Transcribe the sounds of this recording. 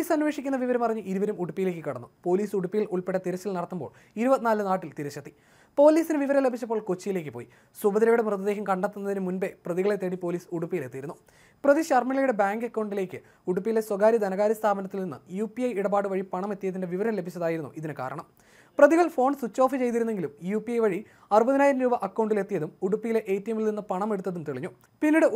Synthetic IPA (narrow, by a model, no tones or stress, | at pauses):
oiːsɐnːʋeʂikʲːunːɐʋiʋɐɾɐmɐrɐɲːɨʔiɾuʋɐɾumuɽupːijile̞ːkːɨkɐɽɐnːupo̞ːliːsuɽupːijiluɭpeʈːɐt̪iɾɐt͡ɕːilnɐɽɐt̪ːumbo̰ːɭ | iɾubɐt̪ːinaːlɨnaːʈːilt̪iɾɐɕɐt̪ːi | po̞ːliːsinɨʋiʋɐɾɐmlebʱit͡ɕːɐpːo̞ːɭkot͡ɕːijile̞ːkːɨpo̞ːji | swɐbɐd̪ɐɾɐjuɽemrɨðɐd̪e̞ːɦɐmkɐɳɖɐt̪ːunːɐðinɨmunbe̞prɐðiɣɐɭe̞t̪ːeɽipo̞ːliːsuɽupːijile̞t̪ːijɾunːu | prɐðiɕɐrmilɐjuɽe̞baːŋɡekːɐwɳɖile̞ːkʲːɨ | uɽupːijile̞swɐɡaːɾid̪ɐnɐɣaːɾɐst̪ʰaːbɐnɐt̪ːilninːɨ̰juːpijɐjiɽɐbaːɽɨʋɐɻipɐɳɐme̞t̪ːijɐt̪ːinde̞ʋiʋɐɾɐmle̞bʱit͡ɕːɐðaːjiɾunːṵʔiðinɨka̰ːɾɐ̰ɳɐm | prɐðiɣɐɭfo̞ːɳsut͡ɕːo̞ːfit͡ɕe̞jt̪̬iɾunːe̞ŋɡilumjuːpːiɐjʋɐɻi | ɐrubɐðinaːjɾɐmɾuːbɐʔɐkːɐwɳɖile̞t̪ːijɐðumuɽupːijileʔeːt̪ːijɐmilninːɨpɐɳɐme̞ɽut̪ːɐðumt̪eɭiɲːu | pinːiɽɨ